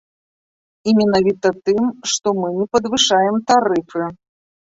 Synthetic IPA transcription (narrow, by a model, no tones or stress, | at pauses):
imʲɛnavʲit̪ɐt̪ɨmʂt̪ɔmɨnʲɛpɐd̪vɨʂajɛmt̪aɾɨfɨ